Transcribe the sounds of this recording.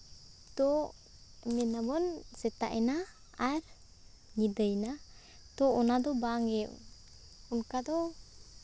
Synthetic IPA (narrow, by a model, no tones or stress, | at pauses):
t̪ɔ | mɛnabɔnsɛt̪a̰ʔɛnaː | ɾ | ŋidəjna | t̪ɔɔnad̪ɔbaŋɛw | unkad̪ɔ